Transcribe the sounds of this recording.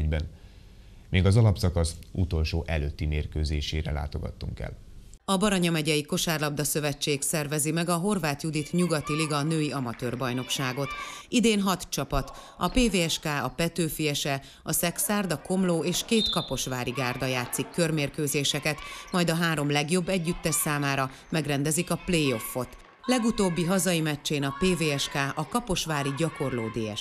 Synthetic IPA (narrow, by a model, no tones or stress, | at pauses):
bɛn | meːɡɒzɒlɒpsɒkɒsut̪o̞lʃoːʔɛ̰løːt̪ːimeːrkøːzeːʃeːɾɛ̰la̰ːt̪o̞ɡɒ̰t̪ːṵŋkɛ̰l | ɒbɒɾɒɲɒmɛɟɛjiko̞ʃaːrlɒb̚d̪ɒsø̞vɛt͡ʃt͡ʃːeːksɛrvɛzimɛɡɒɦo̞rvaːt̪jud̪it̪ɲuɡɒt̪iliɡɒnøːjiɒmɒt̪øːrbɒjno̞kʃaːɡo̞t̪id̪eːnɦɒt̪t͡ʃɒpɒt̪ | ɒpeːveːɛʃkaːɒpɛt̪øːfijɛʃɛ | ɒsɛksaːrd̪ɒko̞mloːeːʃkeːt̪kɒpo̞ʃʋaːɾiɡaːrd̪ɒjaːt̪sikːørmeːrkøːzeːʃɛkɛt̪mɒjd̪ɒɦaːɾo̞mlɛɡjo̞bːɛɟːyt̪ːɛʃsaːmaːɾɒ | mɛɡrɛnd̪ɛzikɒplejo̞fːo̞t̪ | lɛɡut̪oːbːiɦɒzɒimɛt͡ʃːeːnɒpeːveːɛʃkaːʔɒkɒpo̞ʃʋaːɾiɟɒko̞rlo̰ːd̪eːɛ̰ʃ